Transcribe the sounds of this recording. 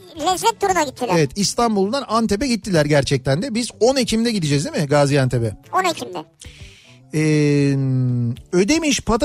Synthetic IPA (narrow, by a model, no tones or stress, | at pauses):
lɛzmɛt̪ʰːuɾunaɟit̪ʰːilevɛt̪ist̪ʰanbulˠd̪anant̪ʰe̞p̬ɛɟit̪ʰːilʲæɾɟæɾt͡ʃʰɛc̚t̪ʰænd̪ɛbizo̞necʰimd̪ɛɟid̪id͡ʒɛzd̪imɪɡaːzijant̪ʰepɛonecʰimd̪ɛ | ɛm | ø̞d̪e̞miʃpʰat̪